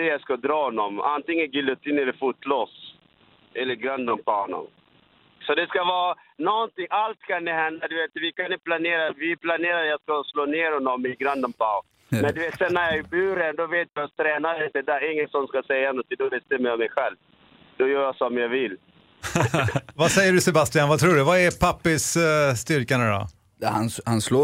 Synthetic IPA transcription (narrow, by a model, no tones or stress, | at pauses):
d̪ɛjaskad̪ɾɑːhɔnːɔma̰nt̪ɪŋːənɡɪlʊt̪ʰiːnɛləɾfuːt̪loːs | ɛlːəɾɡɾand̪anpɔhɔnɔ̰m | sɔd̪ɛskavɑːnɔnt̪ɪŋalt̪kʰand̪ɛɦɛnd̪ad̪ɵveːt̪vɪkʰanɪpʰlaneːɾavɪpʰlaneːɾad̪jaːskasloːneːɾhɔnːɔmːɪɡɾand̪anpɔ | mɛnd̪ɵveːt̪sɛnːæɾjɑːɛbʉːɾɛnd̪ɔveːt̪jat̪ʰɾɛːnad̪ɪnt̪ɛd̪æɾɪŋːənsɔnskasɛjːanɔt̪ːɪd̪ɔveːt̪ɛmɛjɔmːɛjɧɛlv | d̪̥ɔjœːɾjasɔmjɑːvɪlː | vasɛjːəɖɵsɛbast̪ɪanvat̪ʰɾuːɖɵvaɛɾpʰapːəʂst̪ʏɾkanad̪ɔ̰ | hanhansloː